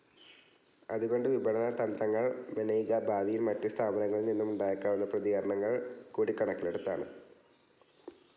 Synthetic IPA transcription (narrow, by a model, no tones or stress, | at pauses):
ɐðuɣo̞ɳɖɨʋibɐɳɐnɐt̪ɐnd̪ɾɐŋːɐɭmɐnɐjɣɐbʱaːʋijilmɐtːust̪ʰaːbɐnɐŋːɐɭninːumuɳɖaːjɐkːaːʋɐnːɐprɐðiɣɐɾɐɳɐŋːɐɭkuːɽikːɐɳɐkːileɽut̪ːa̰ːɳɨ